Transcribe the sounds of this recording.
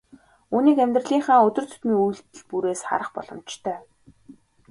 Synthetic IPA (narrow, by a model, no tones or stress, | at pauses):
uːniːkæmʲt̪rə̆ɮiːŋɴχaːŋɵt̪ɵ̆r̥t͡sʰɵ̥t̪miːŋujɬt̪ɘ̆ɮpuɾeːsχa̰ɾə̆χpɔ̰ɮ̥ɞ̆mt͡ɕt̪ʰœː